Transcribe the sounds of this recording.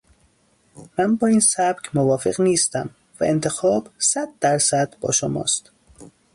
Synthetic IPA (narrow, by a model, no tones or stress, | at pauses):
mænbɒːiːnsæb̥cʰmovɒːfḛɣniːst̪æm | væ̰ʔent̪ʰe̞xɒːbsæd̪̚ːæɾsæd̪̥bɒ̰ːʃomɒ̰ːst̪